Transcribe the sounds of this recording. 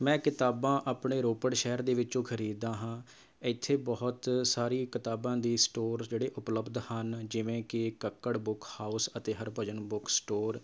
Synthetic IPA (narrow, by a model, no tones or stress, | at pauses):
mɛ̃ːkɪt̪aːbãːʔaːpɳeːɾoːpəɽʃɛːəɾd̪eːʋɪt͡ʃõːkʰəɾiːd̪ãːɦãː | ɪt̪ʰːeːbɔːʊt̪saːɾiːkɪt̪aːbãːd̪iːsʈoːɾd͡ʒeːɽeːʔʊpləbd̪hənd͡ʒɪʋẽːkɪkəkːəɽbʊkhaːusət̪eːɦəɾpəd͡ʒənbʊksʈoːɾ